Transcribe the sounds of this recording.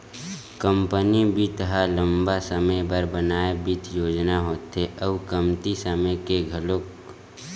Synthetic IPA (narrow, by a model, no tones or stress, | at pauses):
kəmpənibʱit̪əɦalə̃mbasəməjbəɾbənaːebit̪ʰjoːd͡ʒnaɦoːt̪eʔəbkəmt̪isəməjkeɡʱəlok